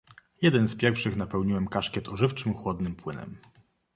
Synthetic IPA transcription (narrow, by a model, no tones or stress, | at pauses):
jɛd̪ɛnspʲjɛɾfʂɘxn̪apɛwɲiwɛmkaʂkʲjɛt̪ʰɔʐɘft͡ʂɘmxwɔd̪nɘmpwɘnɛ̰m